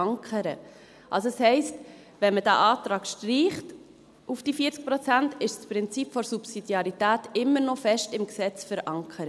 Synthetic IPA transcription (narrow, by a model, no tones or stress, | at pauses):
ɑŋkʰəɾə | ʔɑ̰lsoɛshɛɪst | vɛnməd̥æʔɑːtɾɑːkʃtriːχt | ʔufd̥ifiːət͡sk̚pɾɔt͡sæntɪʃspɾɪnt͡sipfɔɾsupsid̥jɑɾitæːtɪmːəɾnɔfɛʃtɪmksɛt͡sfəɾʔɑŋkʰəɾə